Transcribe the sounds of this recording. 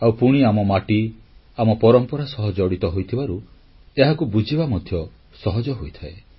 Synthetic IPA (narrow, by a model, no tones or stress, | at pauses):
awpuɽ̃iamɔmaʈi | amɔpɔɾɔmpɔɾasɔɦɔd͡ʒɔɽit̪ɔɦojt̪ʰibaɾu | eɦakubud͡ʒʱibamɔd̪ʱjɔ | sɔɦɔd͡ʒɔɦojt̪ʰae